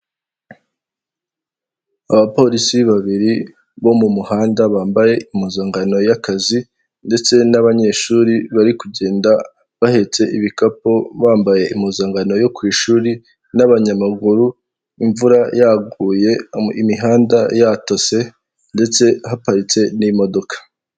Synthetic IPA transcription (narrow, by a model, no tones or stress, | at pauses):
aβapo̞ːɾisiβaβiɾi | βo̞mumuhaːndaβaːmbaje̞imuzaːŋɡano̞jakazi | nde̞t͡se̞naβaɲe̞ʃuɾiβaɾikuɟe̞ːnda | βahe̞t͡se̞ʔiβikapoβaːmbaje̞ʔimuzaːŋɡano̞jo̞kwiːʃuːɾi | naβaɲamaɡuɾu | iɱvuɾajaɡuːje̞imiɦaːndajato̞se̞ | nde̞t͡se̞ɦapaɾit͡se̞nimo̞do̞kḁ